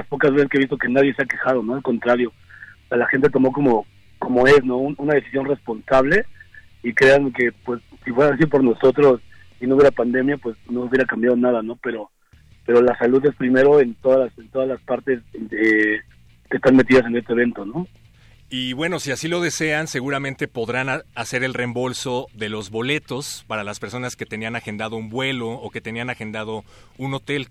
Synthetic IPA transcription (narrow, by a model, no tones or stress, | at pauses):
aspo̞kazβe̞seskeist̪oke̞naðje̞se̞ake̞xað̞o̞no̞alko̞nt̪ɾaɾjo̞ | salaxe̞nt̪e̞t̪o̞mo̞ko̞mo̞ | ko̞mo̞e̞snoununaðe̞θi̥sjo̞nre̞spo̞nsaβ̞le̞ | ikɾe̞aŋke̞pwe̞sːifwe̞ɾas̬iðop̬o̞ɾno̞so̞t̪ɾo̞s | inouβjeɾapand̪e̞mjapwe̞sno̞uβje̞ɾakambjaðonaðano̞pe̞ɾo̞ | pe̞ɾolasaluðe̞spɾime̞ɾo̞ent̪o̞ðalasent̪o̞ðalaspaɾt̪e̞se | kest̪anme̞t̪̬iðasene̞st̪eβe̞nt̪o̞no̞ | iβwe̞no̞siasilo̞ð̞e̞se̞anse̞ɣuɾamẽnt̪e̞po̞ðɾanase̞ɾe̞lre̞mbo̞lso̞ðe̞lo̞zβo̞le̞t̪o̞spaɾalaspe̞ɾso̞nasket̪e̞nianaxe̞nd̪aðo̞umbwe̞lo̞ːke̞t̪e̞nianaxe̞nd̪að̞o̞uno̞t̪e̞l